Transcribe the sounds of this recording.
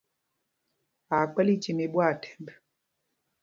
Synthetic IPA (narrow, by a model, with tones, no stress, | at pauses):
a˨k͡pɛ˦li˦t͡ʃi˨me˨ɓwa˦˨tʰɛ̥˨mbɛ˨